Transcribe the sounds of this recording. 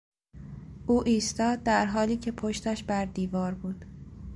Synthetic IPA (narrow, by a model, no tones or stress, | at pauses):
ʔuːʔiːst̪ɒːd̪̚ːæɾɦɒːliːcʰe̞pʰoʃt̪æʃbæɾd̪iːvɒːɾbuːd̪̥